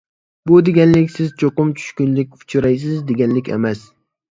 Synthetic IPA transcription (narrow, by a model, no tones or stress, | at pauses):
bud̪eɡʲɛnlɪkʲsɪzt͡ʃʰoqʊmt͡ʃʰy̥ʃkʲynlɪk̚ʲʊ̥t͡ʃʰuɾajs̬ɪzd̪eɡʲɛnlɪkʲḛmɛs